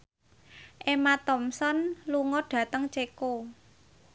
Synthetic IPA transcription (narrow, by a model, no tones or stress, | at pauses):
ʔemat̪ɔmsɔnluŋɔɖ̥ä̤t̪əŋt͡ʃeko